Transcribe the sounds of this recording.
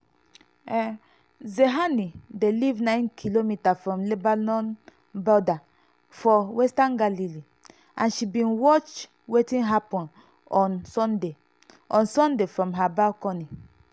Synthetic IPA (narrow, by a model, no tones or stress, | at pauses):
ɛ | zeɦanidelivnãɪ̃nkʰilomitafɹɔ̃mlebanɔ̃n | bɔda | fɔwɛstãnɡalili | ãnʃibĩnwɔt͡ʃ | wetĩnɦapɔ̃n | ɔ̃nsɔ̃nde | ɔ̃nsɔ̃ndefɹɔ̃mɦabalkɔ̃ni